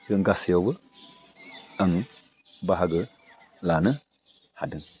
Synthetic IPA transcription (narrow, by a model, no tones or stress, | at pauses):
dəŋɡasijobə | aŋ | baɦaɡə | lanə | hadəŋ